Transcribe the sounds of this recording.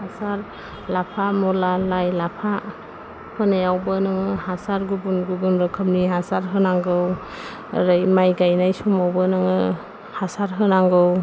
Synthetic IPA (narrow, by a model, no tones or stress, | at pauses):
hasaɾ | lapʰamɔlalajlapʰa | hɯnajawbənɯŋɯɦasaɾɡubunɡubunɾɯkʰəmniɦasaɾɦɯnaŋɡɯw | ɾajmajɡajnajsumawbənɯŋɯ | hasaɾɦɯnaŋɡɯw